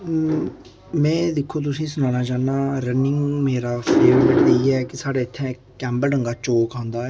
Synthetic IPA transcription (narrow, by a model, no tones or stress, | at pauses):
mɛ̃ːd̪ɪkʰːoːt̪̬ʊsĩːsʊnãːnaːt͡ʃaːnːaːɾənɪŋɡmeːɾaːpʰɾeːʋəɾbeʈd̪eiɛːkɪsaːɽeːɪt̪ʰːɛ̃ː | kɛ̃ːmbəɾɖəŋɡaːt͡ʃoːkãːnd̪aːɛː